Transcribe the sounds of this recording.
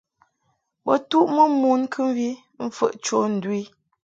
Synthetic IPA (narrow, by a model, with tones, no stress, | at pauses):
bə˨tu˦ʔmə˦mu˦nkʰɨ˦m˦vi˦ | m̩˦fə̰˨ʔt͡ʃo˦n̩˨dwi˦